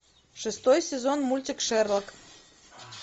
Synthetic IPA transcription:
ʂɨst̪ojsʲɛzonmulʲt̪ʲikʂɛrlˠək

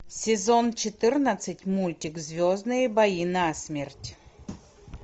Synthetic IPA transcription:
sʲɪzont͡ɕɪt̪ɨrnət̪sɨtʲmulʲtʲɪkzvʲoznɨjəbɐjinɐːsʲmʲertʲ

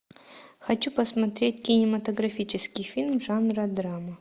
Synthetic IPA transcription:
xɐt͡ɕupɐsmɐt̪ɾʲet̚ʲkʲɪnʲɪmɐt̪oɡɾɐfʲit͡ɕɪskʲɪjfʲilʲmʐanrɐd̪ɾamɐ

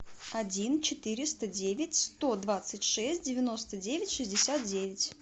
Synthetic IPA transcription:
ɐdʲint͡ɕɪt̪ɨɾʲɪst̪ədʲevʲɪtʲst̪o̞d̪vat̪sɨtʲʂɛsʲt̚ʲdʲɪvʲɪno̞st̪ədʲevʲɪtʲʂɨzʲdʲɪsʲat̪̚dʲevʲɪtʲ

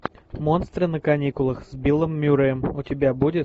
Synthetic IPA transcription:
monst̪ɾɨnəkɐnʲikʊlˠəxzʲbʲilˠəmːʲuɾəəmʊtʲɪbʲabudʲɪt̪

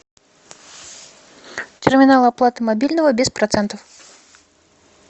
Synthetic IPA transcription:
t̪ʲɛrmʲinalˠɨaplˠat̪ɨmabʲilʲnɐvɐbʲɛspɾat̪sɛnt̪ɐf

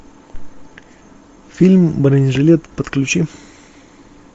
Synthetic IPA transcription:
fʲilʲmbəɾənʲʐɨlʲet̪pət̪klʲʉt͡ɕi

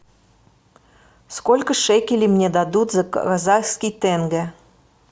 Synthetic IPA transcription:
skolʲkəʂɛkʲɪlʲimnʲɛd̪ad̪ut̪zɐkazajskʲijt̪ɛnɡɛ

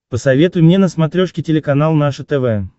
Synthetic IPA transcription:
pəsɐvʲet̪ʊjmnʲenəsmat̪ɾʲoʂkʲɪtʲɪlʲɪkanalˠnaʂət̪ɛvɛ

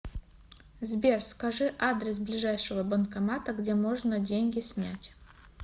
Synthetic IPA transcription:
zbʲerskɐʐɨʔad̪ɾʲɪs̬blʲɪʐajʂɨvəbənkɐmat̪əɡdʲemo̞ʐnədʲenʲɡʲɪsʲnʲætʲ

